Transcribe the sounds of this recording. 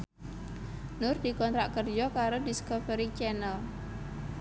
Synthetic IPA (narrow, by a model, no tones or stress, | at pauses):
nʊrd̪̥ikɔnt̪ɾaʔkərd͡ʒɔkaɾodiskovɛɾit͡ʃɛnəl